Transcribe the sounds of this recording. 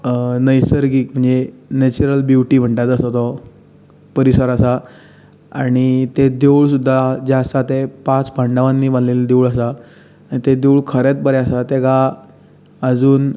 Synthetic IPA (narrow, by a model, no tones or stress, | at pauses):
nəjsəɾɡiːkm̤əɳd͡zenet͡ɕuɾəlbjuʈiːm̤əɳʈat̪əsat̪ɔ | pəɾisəɾasa | aɽ̃it̪ed̪euɭsud̪ʱːad͡ʑeəsat̪epãt͡sbʱãɳɖaʋãnːiːbãnleld̪euɭəs̬a | anit̪ed̪euɭkʰəɾẽt̪̚bəɾɛəsat̪eɡa | əd͡zuːn